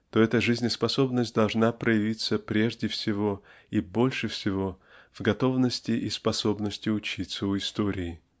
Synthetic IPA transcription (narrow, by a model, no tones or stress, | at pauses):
t̪o̞ɛt̪əʐɨzʲnʲɪspɐso̞bnəsʲt̚ʲd̪ɐlˠʐnapɾəjɪvʲit̪səpɾʲe̞ʐdʲɪfsʲɪvo̞ | ibo̞lʲʂɨfsʲɪvo̞vɡɐt̪o̞vnəsʲtʲɪʔɪspɐso̞bnəsʲtʲɪʊt͡ɕit̪səʊɪst̪o̞ɾʲɪː